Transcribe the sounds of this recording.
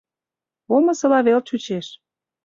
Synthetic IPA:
omə̆sɤ̆lɑβelt͡ɕut͡ɕeʃ

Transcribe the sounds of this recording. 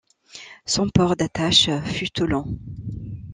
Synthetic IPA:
sɔ̃pɔʁd̪at̪aʃfyt̪ulɑ̃

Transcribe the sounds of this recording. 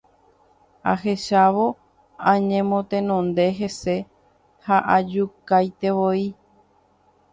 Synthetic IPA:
a̰ɦe̞ʃaʋo̞ | ãɲẽmõt̪ẽnõnd̪e̞ɦe̞se̞ | haʔad͡ʒukajt̪e̞ʋoi

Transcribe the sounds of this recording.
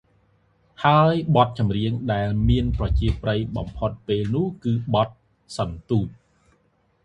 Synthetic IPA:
haəjɓɑt̪̚t͡ɕɑmriəŋɗaɛlmiənprɑt͡ɕiəprəjɓɑ̰mpʰot̪̚peːlnʊ̆əhkɨːɓɑt̪̚ | sɑnt̪uːt̪̚

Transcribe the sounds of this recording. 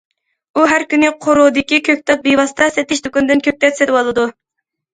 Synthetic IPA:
uɦæɾkʲynɪqʰoɾud̪ɪkʲikʲʰøk̚ʲt̪ʰɛt̪̚bejwɑst̪ʰɑsɛt̪ːɪʃt̪ukund̪ɪnkʲʰøk̚ʲt̪ɛt̪sɛt̪ɪwɑlˠɨd̪u

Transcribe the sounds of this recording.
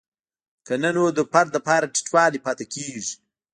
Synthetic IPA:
kanənwod̪əpaɾəpɑːɾaʈi̥ʈwɑːlipaːt̪ekʰeːʐi̥

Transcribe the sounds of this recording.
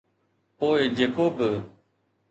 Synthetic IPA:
poːɪd͡ʒeːkoːbɪ

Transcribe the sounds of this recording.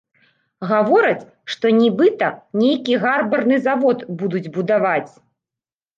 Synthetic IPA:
ɣavɔɾɐt͡sʲ | ʂt̪ɔnʲibɨt̪ɐnʲejkʲiɣarbɐrnɨzavɔt̪bud̪ud͡zʲbud̪avat͡sʲ

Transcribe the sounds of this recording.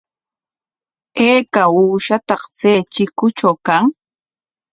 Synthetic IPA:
eːkauːʃat̪ɑχt͡seːt͡ʃɪkʊt͡ʃawkaŋ

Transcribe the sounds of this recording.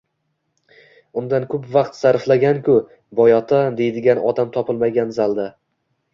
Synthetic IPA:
ʊnd̪ankʰʊpvaqt̪saɾflaɡʲankʰʲʊ | bɒjɒt̪ʰad̪e̞jd̪ɪɡʲanɒ̰d̪amt̪ʰɒpʰɪlˠmaɡʲanzalˠd̪a

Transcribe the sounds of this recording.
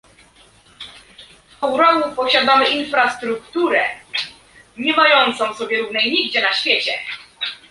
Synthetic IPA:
fɛwɾɔnupɔɕad̪amɘʔinfɾast̪ɾukt̪uɾɛ | ɲɛmajɔnt̪sɔ̃w̃sɔbʲjɛɾuvnɛjɲiɡd͡ʑɛnaɕfʲjet͡ɕɛ̰

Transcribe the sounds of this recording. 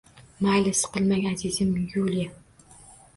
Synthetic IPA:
majlɪsqɨlˠmaŋʲazizɪmjula

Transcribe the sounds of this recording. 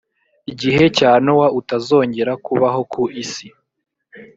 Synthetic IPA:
iɟiɦe̞caːnowautazo̞ːɲɟe̞ɾakuβaɦo̞kuʔisi

